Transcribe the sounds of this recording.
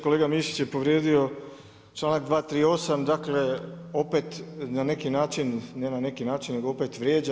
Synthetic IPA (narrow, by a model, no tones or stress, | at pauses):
kolˠeːɡamiːʃi̥t͡ɕje̞po̞ʋɾjeːd̪io̞ | t͡ʃlˠaːnak̚d̪ʋaːt̪ɾiːo̞samd̪akle̞o̞pet̪nane̞kinaːt͡ʃinːenane̞kinaːt͡ʃinːe̞ɡoopet̪ʋɾjeːd͡ʑa